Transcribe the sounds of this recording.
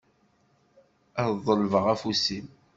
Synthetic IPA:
æððˤəlvəʁæfusim

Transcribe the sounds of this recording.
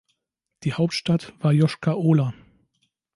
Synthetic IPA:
d̥iːhaʊp̚tʃtatv̥aːɐjɔʃkaʔoːla

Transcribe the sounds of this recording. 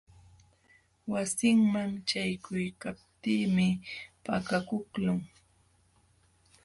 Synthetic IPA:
wasɪŋmamt͡ʃajkʊjkap̚t̪iːmɪpakakʊklʊŋ

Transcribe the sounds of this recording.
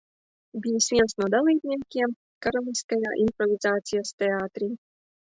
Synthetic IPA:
bʲijisvʲiɛnsnuɔd̪alˠiːbʲnʲiɛkʲiɛm | kaɾalʲˠiskajaːʔimpɾɔvʲizaːt̪sijast̪eaːt̪ɾiː

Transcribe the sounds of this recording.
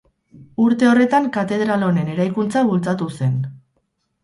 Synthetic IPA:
uɾt̪e̞o̞re̞t̪aŋkat̪e̞ð̞ɾalo̞ne̞ne̞ɾajkunt͡saβult͡sat̪use̞n

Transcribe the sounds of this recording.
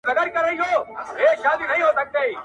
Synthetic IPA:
nɐɡ̪əɾkɐɾːəɦiɦoːɦeːkʃaːd̪inɐɦĩɦoːsɐk̚d̪eiː

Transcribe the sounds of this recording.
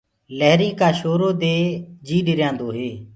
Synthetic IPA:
ləɦɾiːkaːʃoːɾoːd̪eːd͡ʒiːɖɪɾjãːnd̪oːɦeː

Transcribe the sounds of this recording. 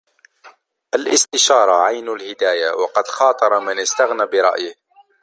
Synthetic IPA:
ʔalʔɪst̪ɪʃɑːɾˤɑʕajnʊlhɪd̪aːjawɑqɑd̪xɑːt̪ˤɑɾˤɑmɪnɪst̪aɣnaːbɪɾˤɑ̰ʔjɪh

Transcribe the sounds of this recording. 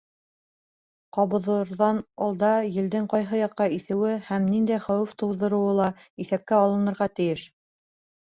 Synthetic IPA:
qɑβɤ̆ðɤ̆ɾðɑnɑlˠd̪ɑjɘ̆ld̪ɘŋqɑjɦɤjɑqːɑiθɘ̆wɘhæmnind̪æjχæwɘft̪ŭwðɤ̆ɾɤ̆wɤlˠɑ | iθæp̚kæɑlˠɤ̆nɤ̆ɾʁɑt̪ɘ̆jɘʃ

